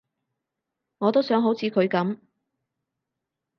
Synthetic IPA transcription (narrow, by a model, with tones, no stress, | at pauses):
ŋɔː˨˧t̪o˥wsœː˨˥ŋɦo˨˥wt͡sʰiː˨˧kʰɵ˨˧ɥkɐ˨˥m